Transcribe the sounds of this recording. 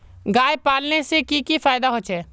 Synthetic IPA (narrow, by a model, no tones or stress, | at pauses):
ɡaːjpaːlnesekikifaːjd̪aɦoːt͡ʃʰɛː